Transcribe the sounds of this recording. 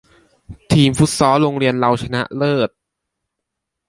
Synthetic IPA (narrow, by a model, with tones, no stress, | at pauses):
t̪ʰiː˧mfu˦˥t̪̚sɔː˦˥ɾoː˧ŋɾi˧ənla˧wt͡ɕʰa˧na˦˥ʔlɤː˥˩t̪̚